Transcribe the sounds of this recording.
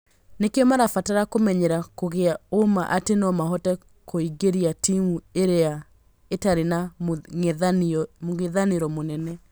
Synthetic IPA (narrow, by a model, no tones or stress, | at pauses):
nekeɔmaɾafataɾakomɛɲeɾakoɣeaomaʔatenɔmaɦɔtɛ | koiɡeɾiatimueɾea | etaɾena | moɣeðaneɾɔmonɛnɛ